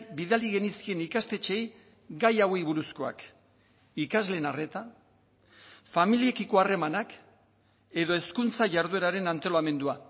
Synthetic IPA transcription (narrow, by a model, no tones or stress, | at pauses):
biðaliɣe̞niskie̞nikast̪e̞t͡ʃe̞j | ɡajawe̞jβuɾusko̞a̰k | ikazle̞ːnare̞t̪a | familie̞kiko̞are̞manak | e̞ðo̞e̞skunt͡saʝaɾðue̞ɾaɾe̞nant̪o̞lame̞nd̪ua